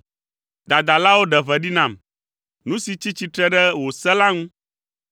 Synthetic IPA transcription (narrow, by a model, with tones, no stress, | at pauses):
d̪a˨d̪a˨la˦wo˦ɖɛ˨vɛ˨ɖi˦nã˨m | nũ˦si˨t͡ɕi˦t͡ɕi˦t̪ɾɛ˦ɖɛ˦wo˨sɛ˦la˦ŋũ˦